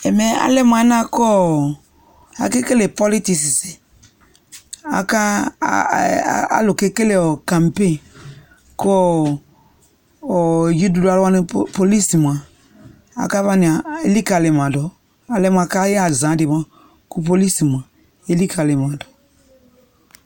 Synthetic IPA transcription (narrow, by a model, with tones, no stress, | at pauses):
ɛ˨mɛ˨a̰˨˦lɛ˦m˨a˨˦nã˦kɔ˦˨ | a̰˨ke˦ke˦le˨pɔ˦li˦ti˨si˨si˨ | a̰˨ka˦ | a̰˦lo˨ke˦ke˦le˨ɔ˨kã˨mpe˦˨ | kɔ˦ | ɔ˨ji˦du˨da˨lwa˦nɪ˨po˨li˦si˨m˨a˨ | a̰˨ka˦va˦nɪ˨a˨e˦li˦ka˨lɪ˨m˨ã˨dɔ˨ | a˨lɛ˦m˨a˨ka˦ja˨zã˨˦dɪ˨ma˨ | ku˦po˦li˦si˨m˨ã˨ | e˦li˦ka˨lɪ˨m˨ã˨dɔ˨